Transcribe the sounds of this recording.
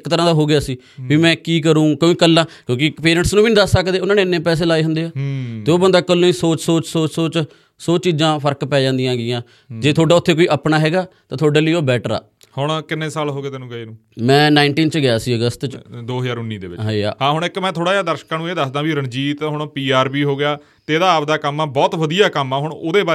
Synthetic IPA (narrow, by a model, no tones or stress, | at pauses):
ɪkːt̪əɾãːd̪aːɦoːɡɪjaːsiː | biːmɛ̃ːkiːkəɾũːkːikəlːãːkjõːkɪpeːɾɛ̃ːɳʈsnũːbiːnĩːd̪əssəkd̪eːʊnãːneːɪnːẽːpɛːs̬eːlaːeːɦʊnd̪eːaːt̪eːoːbənd̪aːkəlõːiːsoːt͡ʃsoːt͡ʃsoːt͡ʃsoːt͡ʃ | soːt͡ʃiːzãːpʰəɾkpɛːd͡ʒãːnd̪ijãːɡɪjãː | d͡ʒeːt̪ʰoːɖaːʊt̪ʰːeːkoːiːʔəpnaːɦɛːɡaːt̪ãːt̪ʰoaːɖeːliːoːbɛːʈəɾa̰ː | hʊɳ̃kɪnːẽːsaːlɦoːɡeːt̪ɛːnũːɡəiːnũː | mɛ̃ːnaːɪɳʈiːnt͡ʃɡɪjaːsiːəɡəst̪t͡ʃd̪oːɦəzaːɾʊnːiːd̪ḛːʋɪt͡ʃɦa̰ːɦãːɦʊɳ̃ɪkmɛ̃ːt̪ʰoːɽaːjaːd̪əɾʃkãːnũːeːd̪əsd̪ãːbiːɾəɳd͡ʒiːt̪ɦʊɳ̃piːaːɾbiːɦoːɡɪjaː | t̪eːd̪aːp̚d̪aːkəmːaːbɔːt̪ʋəd̪ijaːkəmaːɦʊɳoːd̪eːbaː